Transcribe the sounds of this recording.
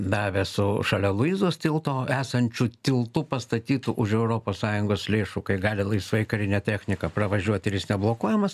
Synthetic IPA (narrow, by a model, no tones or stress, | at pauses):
d̪ɑːʋʲesʊʃɐlʲɛlˠʊiːzoːst̪ʲɪlˠt̪oːæːsɐnʲt͡ʃʲʊt̪ʲɪlˠt̪ʊpɐst̪ɐt̪ʲiːt̪ʊʔʊʃɛʊɾoːpoːssɑːjʊŋɡoːslʲeːʃʊkɐɪɡɑːlʲɪlˠɐɪsʋɐɪkɐɾʲɪnʲɛt̪ʲæːxʲnʲɪkɐprɐʋɐʒʲuɔt̪ʲɪɾjɪsnʲɛblˠoːkuɔjɛmɐs